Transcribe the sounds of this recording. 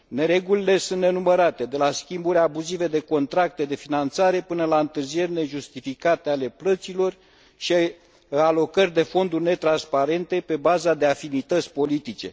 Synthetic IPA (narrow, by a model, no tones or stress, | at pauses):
ne̞ɾe̞ɡulile̞sunt̪ne̞numəɾat̪e̞d̪e̞laskʲimbuɾʲabuzive̞d̪e̞ko̞nt̪ɾak̚t̪e̞d̪e̞finant̪saɾe̞pɨnəlaɨnt̪ɨrzije̞rʲne̞ʒust̪ifikat̪eale̞plət̪silo̞r | ʃi | alo̞kərʲd̪e̞fo̞nd̪urʲne̞t̪ɾanspaɾe̞nt̪e̞pe̞bazad̪e̞afinit̪ət̪sʲpo̞lit̪it͡ʃe̞̰